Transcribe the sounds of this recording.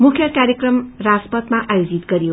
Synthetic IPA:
mukʰjʌkaɾjekrʌmraspʌt̪maʔajod͡zit̪ɡʌɾijo

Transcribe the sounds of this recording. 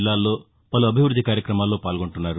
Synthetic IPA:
lːaːlːo̞ː | pɐluɐbʱiʋɾud̪ʱːikaːɾjɐkɾɐmaːlːo̞ːpaːlɡo̞ɳʈunːaːɾu

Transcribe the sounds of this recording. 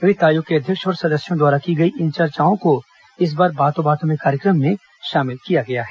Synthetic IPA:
ɾɪt̪aːjokeɐd̪ʱjəkʃɔːɾsɐd̪əsjõd̪waːɾakiɡɐiʔɪ̃nt͡ʃɐɾt͡ʃaːɦõko | ɪs̬baːɾbaːt̪õbaːt̪õmẽkaːɾjəkɾəmːẽ | ʃaːmɪlkijaɡɐjaɦɛː

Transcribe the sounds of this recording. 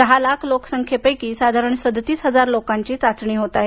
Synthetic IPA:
d̪əɦalakʰloksəŋkʰjepəjkiːsad̪ʱaɾəɳsəd̪ʱt̪iːsɦəd͡zaɾlokaɲt͡ɕiːt͡sat͡sɳiːɦot̪aɦe

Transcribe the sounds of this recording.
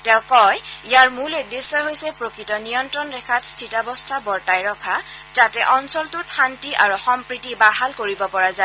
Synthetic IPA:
tɛ̃ʊ̃kɔjijaɹmuledːesɔɦojsɛpɹokɹitɔnijɔntɹɔnɹɛkʰatstʰitabɔstʰabɔɹtajɹɔkʰazatɛʔɔnsɔltʊtʰantiʔaɹuxɔmpɹitibaɦalkoɹibɔpɔɹaza

